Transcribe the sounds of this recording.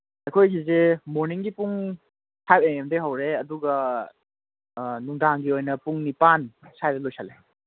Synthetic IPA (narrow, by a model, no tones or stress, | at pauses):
ɐjkʰojɡizemoɾniŋɡipuŋ | sʰajbeŋemdeɦɐwɾeɐduɡɐ | nuŋdaŋɡiojnɐpuŋnipansajdɐlojsale